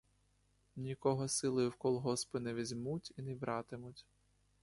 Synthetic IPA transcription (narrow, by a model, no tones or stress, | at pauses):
nʲikɔɦɔsɪlˠɔjʊwkɔlˠɦɔspɪnɛʋʲizʲmutʲinɛbɾɑt̪ɪmʊtʲ